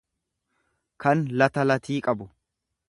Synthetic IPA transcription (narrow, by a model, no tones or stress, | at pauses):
kʰɐnlɐt̪ɐlɐt̪iːkʼɐbʊ